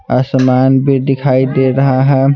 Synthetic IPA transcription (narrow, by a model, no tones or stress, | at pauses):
əsəmanbʱid̪ɪkʰaid̪eɾəɦaɦɛ